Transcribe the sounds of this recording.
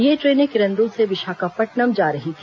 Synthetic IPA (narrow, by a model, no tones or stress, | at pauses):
jeːʈɾeːnekɪɾə̃nd̪ũlseʋɪʃaːkapɐʈnɐmd͡ʒaːɾɐɦi